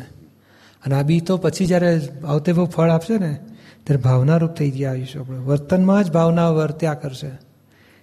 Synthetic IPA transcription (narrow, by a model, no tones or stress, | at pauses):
əneabit̪opət͡ʃʰid͡ʒjaɾeaʋt̪ebʱəwpʰəɭapʃenet̪jaɾebʱaʋnaɾup̚t̪ʰəid̪jajũʃeapɽeʋəɾt̪ənmãd͡ʒbʱaʋnaʋəɾt̪jakəɾʃe